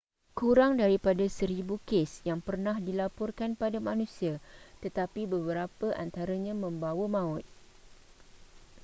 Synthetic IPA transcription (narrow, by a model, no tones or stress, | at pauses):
kuɾaŋdaɾipadasəɾibukesjaŋpərnãhdilapɔrkanpadamãnũsiat̪ət̪apibəbəɾapəʔant̪aɾaɲãmə̃mbawəmãʊt̪̚